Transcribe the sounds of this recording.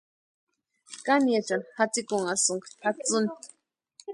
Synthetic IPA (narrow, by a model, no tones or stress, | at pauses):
kanijat͡ʃanhat͡sikuŋasuŋkat͡sʊni